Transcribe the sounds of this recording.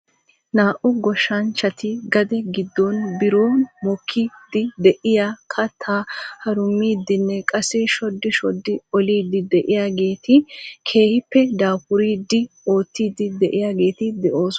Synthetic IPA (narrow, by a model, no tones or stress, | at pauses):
naːʔʊɡɔʃːɐnt͡ʃːɐt̪ɪɡɐd̪ɛɡɪd̪ːonbɪɾoːnmɔkʰːid̪ɪd̪ɛʔɪjakʰɐt̪ʰːaːhɐɾʊmːiːd̪ːɪnːɛkʼɐsɛʃɔd̪ːɪʃɔd̪ːɪɔliːd̪ɪd̪ɛʔɪjaːɡe̞ːt̪ɪkʰe̞ːhɪpːɛd̪aːpʊɾiːd̪ːɪo̞ːt̪ːiːd̪ɪd̪ɛʔɪjaːɡe̞ːt̪ɪd̪ɛʔo̞ːs